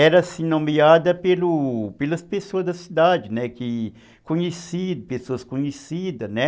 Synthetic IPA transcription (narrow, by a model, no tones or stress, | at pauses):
ɛɾɐsĩnõmiad̪ɐpelʊpelɐspesoɐzd̪ɐsid̪ad͡ʒɪnɛkɪ | kõɲesid̪ʊpesoɐskõɲesid̪ɐnɛ